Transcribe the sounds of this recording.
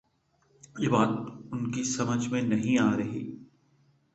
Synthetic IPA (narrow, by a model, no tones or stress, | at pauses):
jeːbaːt̪ʊnkisɐməd͡ʒʱmẽnɐɦĩaːɾɐɦḭː